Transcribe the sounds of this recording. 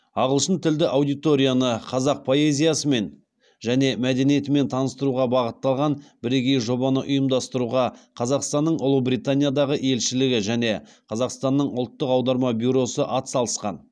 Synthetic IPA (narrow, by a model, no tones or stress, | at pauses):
ɑʁəlˠʃənt̪ʰɪld̪ɪʔawd̪ijt̪o̞ɾʲijanəqʰɑzɑq̚pʰo̞e̞zʲijasəme̞n | ʒæne̞mæd̪e̞nije̞t̪ɪme̞nt̪ʰɑnəst̪əɾuʁɑbɑʁət̪ːɑlˠʁɑnbɪɾeɡʲe̞jʒo̞bɑnəʔʊjəmd̪ɑst̪əɾuʁɑqʰɑzɑqst̪ɑnːəɴʊlˠəbɾijt̪anʲijad̪ɑʁəe̞lʃɪlɪɡʲɪʒæne̞ | qʰɑzɑqst̪ɑnːəɴʊlˠt̪ːəqɑwd̪ɑɾmɑbʲjuɾo̞səʔɑt̪sɑlˠəsqɑ̰n